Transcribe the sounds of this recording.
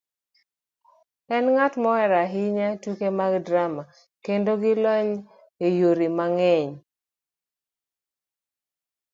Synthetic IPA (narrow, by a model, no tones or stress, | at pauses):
ɛnŋatmɔɛɾaɦɪɲatukemaɡdɾama | kendoɡɪlɔɲ | ejoɾimaŋɛɲ